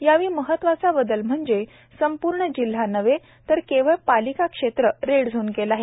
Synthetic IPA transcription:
jaʋiːməɦət̪ʋat͡sabəd̪əlm̤əɳd͡ze | səmpuɾɳəd͡ʑil̤ːanəʋe | t̪əɾkeʋəɭpalikakʂet̪ɾəɾeɽd͡zʱuːnkelaɦe

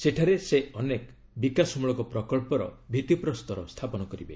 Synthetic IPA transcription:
seʈʰaɾeseɔnek | bikasmuɭɔkɔpɾɔkɔɭpɔɾɔ̰bʱit̪ipɾɔst̪ɔɾɔst̪ʰapɔnɔkɔɾibḛ

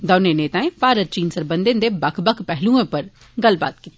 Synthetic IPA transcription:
d̪ɐːnẽneːt̪aːẽpaːɾəɾ̚t͡ʃiːnsəɾbə̃nd̪ẽnd̪ebɐkʰbəkʰpɛɦlũẽpəɾ | ɡɐlba̰ːt̪kit̪i

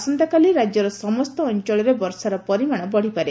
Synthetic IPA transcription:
sɔnt̪ɔkaliɾad͡ʒjɔɾɔsɔmɔst̪ɔːnt͡ʃɔɭɔɾebɔɾsaɾɔpɔɾimaɽ̃ɔbɔɽ̤ipaɾe

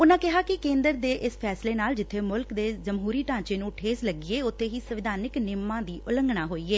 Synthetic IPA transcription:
ʊnãːkɪɦaːkɪkẽːnd̪əɾd̪eːʔɪspʰɛːsleːnaːld͡ʒɪt̪ʰːeːmʊlkd̪eːzəmɦuːɾiːʈãːt͡ʃeːnũːʈʰeːsləɡɪeːʊt̪ʰːeːɦiːsəʋɪd̪ʱaːnɪknɪmːãːd̪iːʔʊləŋɡɽãːɦoːiːeː

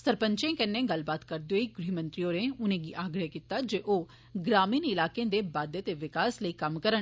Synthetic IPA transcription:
səɾpəɲt͡ʃẽːkɛnːẽːɡɐlbaːt̪kəɾd̪eoiɡɾiːmə̃nt̪ɾijoːɾẽʊnẽːɡiʔaːɡɾəɦkit̪ːaːd͡ʒeːʔoː | ɡɾaːmiːnɪlaːkẽd̪eːbaːd̪jət̪eʋɪkaːsləiːkɐmkəɾən

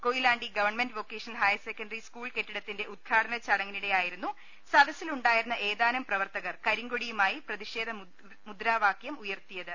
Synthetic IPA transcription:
ko̞jilaːɳɖiɡɐʋɐrɳmendʋo̞ːkːe̞ːʂɐnɐlɦɐjsekːɐnɖɐriskuːɭke̞ʈːiɽɐt̪ːinde̞ʔud̪̚ɡʰaːɽɐnɐt͡ɕɐɽɐŋːɐniɽe̞jaːjiɾunːu | sɐd̪ɐsiluɳɖaːjiɾunːɐʔe̞ːðaːnɐmprɐʋɐrt̪ɐɣɐrkɐɾiŋɡoɽijumaːjiprɐðiʂe̞ːd̪ʱɐ | mud̪ɾaːʋaːkjɐmujɐrt̪ijɐðɨ

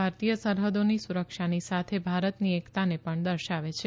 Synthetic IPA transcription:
aɾt̪ijəsəɾɦəd̪onisuɾəkʃanisat̪ʰebʱaɾət̪niekt̪anepəɳd̪əɾʃaʋet͡ʃʰe

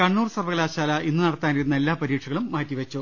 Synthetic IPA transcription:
kɐɳːuːrsɐrʋɐɣɐlaːɕaːlɐinːɨnɐɽɐt̪ːaːniɾunːɐe̞lːaːpɐɾiːʈʂʰɐɣɐɭumːaːtːiʋɐt͡ɕːu

